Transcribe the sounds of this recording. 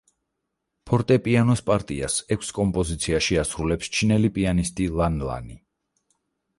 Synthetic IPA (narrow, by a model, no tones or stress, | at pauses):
pʰɔɾt̪ʼɛpʼianɔspʼaɾt̪ʼia̰sɛkʷʰskʼɔmpʼɔzit̪sʰiaʃiasɾulɛpst͡ʃʰinɛlipʼianist̪ʼilanla̰ni